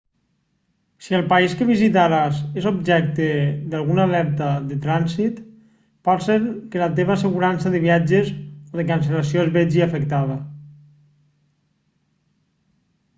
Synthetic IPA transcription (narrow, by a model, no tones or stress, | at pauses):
siəlˠpaiskəβizit̪aɾazezob̚ʒɛk̚t̪ed̪alɣunalɛɾt̪aðet̪ɾansit̪ | palˠsenkelat̪eβ̞aseɣuɾansaðəβiad͡ʒezoðekans̬elas̬joezβɛd͡ʒiafekt̪aða